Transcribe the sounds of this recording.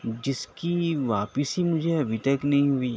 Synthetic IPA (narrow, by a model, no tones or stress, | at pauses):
d͡ʒɪskiʋaːpəsimʊd͡ʒʱeɐbʱit̪ɐknɐɦĩɦʊi